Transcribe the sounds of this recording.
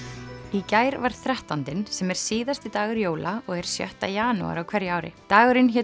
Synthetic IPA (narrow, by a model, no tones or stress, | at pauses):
icaːjɾvaɾ̥θɾɛht̪ant̪ɪnsɛmɛɾ̥siːðast̪it̪aːɣʏɾjoːwlaɔɣɛɾ̥sjœ̰ht̪ajaːnṵa̰ɾawkʰvɛɾjaːwɾɪ̰t̪aːɣʏɾɪnçɛː